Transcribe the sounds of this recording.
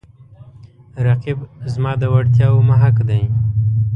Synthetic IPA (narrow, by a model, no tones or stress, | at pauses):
ɾaqibzmɑd̪əwaɽt̪jɑwmaɦakd̪aj